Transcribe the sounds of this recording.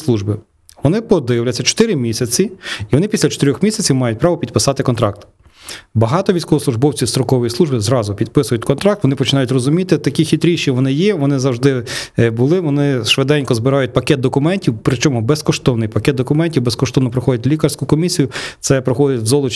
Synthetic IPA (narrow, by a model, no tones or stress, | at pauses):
slˠuʒbɪ | ʋɔnɪpɔd̪ɪjwlʲɐt͡sʲːɐt͡ʃɔ̥t̪ɪɾɪmʲisʲɐt͡sʲiiʋɔnɪpʲisʲlʲɐt͡ʃɔ̥t̪eɾʲɔxmʲisʲɐt͡sʲiwmɑjʊt̚ʲpɾɑʋɔpʲid̪̚pɪsɑt̪ɪkɔnt̪ɾɑk̚t̪ | bɐɦɑt̪ɔʋʲijsʲkɔʋɔsˠʊʒbɔwt͡sʲiwst̪ɾɔkɔʋɔjislˠuʒbɪzɾɑzʊpʲid̪pɪsʊjʊtʲkɔnt̪ɾɑkt̪ʋɔnɪpɔt͡ʃɪnɑjʊtʲrɔzʊmʲit̪ɪt̪ɐkʲixʲit̪ɾʲiʃiʋɔnɪjɛʋɔnɪzɐwʒd̪ɪbʊlˠɪʋɔnɪʃʋed̪ɛnʲkɔzbɪɾɑjʊt̚ʲpɐkʲɛt̪̚d̪ɔkʊmɛnʲtʲiwpɾɪt͡ʃɔmʊbeskɔʃt̪ɔwnɪjpɐkʲɛtd̪d̪ɔkʊmɛnʲtʲiwbeskɔʃt̪ɔwnɔpɾɔxɔdʲɐtʲlʲikɐrsʲkʊkɔmʲisʲijʊt̪sɛpɾɔxɔd̪ʲɪtʲwzɔlˠʊt͡ʃ